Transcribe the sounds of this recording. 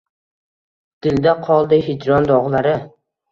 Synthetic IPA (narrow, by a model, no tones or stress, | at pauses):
d̪̥ɪld̪aqʰɒlˠd̪ɪɦɪd͡ʒɾɒnd̪ɒʁlˠaɾɪ